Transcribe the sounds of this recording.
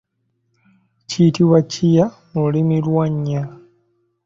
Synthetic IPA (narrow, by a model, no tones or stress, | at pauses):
citiwacija | mulimilwaɲːa